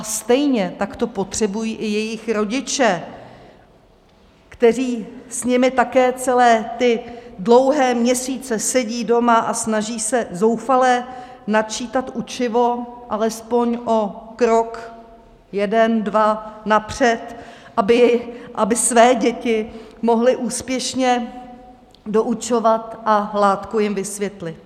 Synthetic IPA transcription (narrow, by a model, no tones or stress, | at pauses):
ast̪ɛjɲɛt̪akt̪o̞po̞t̪r̝̥ɛbujiːʔɪjɛjɪxɾo̞ɟɪt͡ʃɛ | kt̪ɛr̝iːsɲɪmɪt̪akɛːt͡sɛlɛːt̪ɪdlo̞wɦɛːmɲɛsiːt͡sɛsɛɟiːdo̞maʔasnaʒiːsɛzo̞wfalɛ | nat͡ʃiːt̪at̪ʔut͡ʃɪvo̞ʔalɛspo̞ɲʔo̞kɾok | jɛdɛndvanapr̥ɛt̪ʔabɪʔabɪsvɛːɟɛcɪmo̞ɦlɪʔuːspjɛʃɲɛ | do̞ʔut͡ʃo̞vat̪ʔalaːt̪kujɪmvɪsvjɛt̪lɪt̪̚